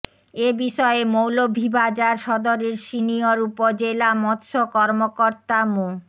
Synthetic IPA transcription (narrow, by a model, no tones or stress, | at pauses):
ebiʃɔemowlobʱibad͡ʑaɾʃɔd̪oɾeɾʃinijoɾupod͡ʑelamɔt̪ːʃokɔɾmokoɾt̪amu